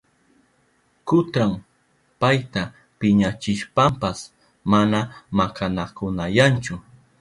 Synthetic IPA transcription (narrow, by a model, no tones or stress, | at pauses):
kʊt̪ɾam | pajt̪a | pɪɲat͡ʃɪʃpampas | manamakanakʊnajant͡ʃʊ